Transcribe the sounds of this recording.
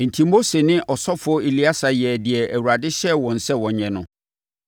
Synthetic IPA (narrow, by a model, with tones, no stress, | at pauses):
n̩˨tʰĩ˨mo˦se˨nɪ̃˦ʔɔ˨sɔ˦fʊ˨˦ɔ˦i˨li˦a˦sa˨jɛ˨dɪ˨ɛ˨æ˨wu˨ɾa˨dɪ˦ɕɛ˦wɔ̃˨n̩˨sɛ˦wɔ̃˨ɲɛ̃˨nʊ̰̃˨